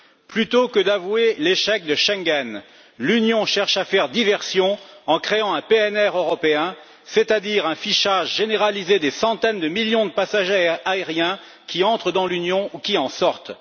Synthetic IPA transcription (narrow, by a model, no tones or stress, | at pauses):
plyt̪okəd̪avweleʃɛk̚d̪əʃɛ̃ɡʲɛn | lynjɔ̃ʃɛʁʃafɛʁd̪ivɛʁsjɔ̃ɑ̃kχeɑ̃ɛ̃peɛnɛʁøʁɔpeɛ̃ | set̪ad̪iʁɛ̃fiʃaʒʒeneʁalized̪esɑ̃t̪ɛnd̪əmiljɔ̃d̪əpasaʒeaeʁjɛ̃ | kʲiɑ̃t̪χəd̪ɑ̃lynjɔ̃ukʲiɑ̃sɔʁt̪